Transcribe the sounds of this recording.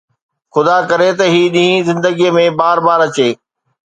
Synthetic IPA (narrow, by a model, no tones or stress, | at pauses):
xʊd̪akɐɾet̪ɐɦiːɗĩɦĩzɪ̃nd̪əɡijmẽbaːɾbaːɾɐt͡ɕeː